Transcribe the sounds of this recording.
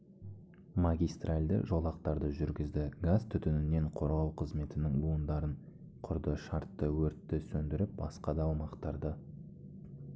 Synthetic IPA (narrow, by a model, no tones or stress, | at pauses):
maɡʲijst̪ralʲd̪ə̰ʒo̞lˠɑqt̪ɑɾd̪əʒʏɾɡʲɪzd̪ɪɡazt̪ʰʏt̪ʏnɪne̞ɴqʰo̞ɾʁɑwqʰəzme̞t̪ɪnɪŋbuənd̪ɑɾəɴ | qʰʊɾd̪əʃɑɾt̪ːəwɵɾt̪ːɪsɵnd̪ɪɾɪp̚bɑ̰sqɑd̪ɑwmɑqt̪ɑɾd̪ə